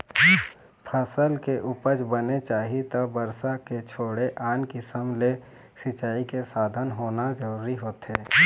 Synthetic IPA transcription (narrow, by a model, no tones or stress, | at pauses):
pʰəsəlkeʔʊpəd͡ʒbənet͡ʃaːɦit̪əbəɾsaket͡ʃʰoːɽeʔaːnkɪsəmle | sɪt͡ʃaːikesaːd̪ʱənɦoːnad͡ʒəɾuːɾiɦoːt̪ɦeː